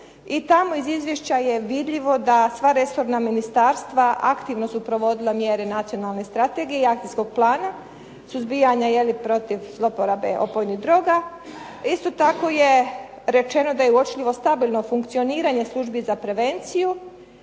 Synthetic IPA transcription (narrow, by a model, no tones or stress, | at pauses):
it̪amo̞izizʋjeʃt͡ɕaje̞ʋid̪ʎʲiʋo̞d̪asʋaɾe̞so̞ɾnaminist̪aɾst̪ʋaʔa̰kt̪iʋno̞supɾo̞ʋo̞d̪ilˠamje̞ɾe̞nat̪sijo̞nalˠne̞st̪ɾat̪e̞ɡijeiakt̪ijsko̞ɡ̥̚plˠaːna | suzbijaɲaje̞lipɾo̞t̪iʋzlˠo̞poɾabe̞̰ʔo̞̰pojniɦd̪ɾo̞ːɡa | ist̪o̞t̪ako̞je | ɾe̞t͡ʃe̞no̞d̪ajeuot͡ʃlʎʲiʋo̞st̪abilˠno̞fuŋkt̪sio̞niːɾaɲe̞slˠuʒbizapɾe̞ʋe̞nt̪siju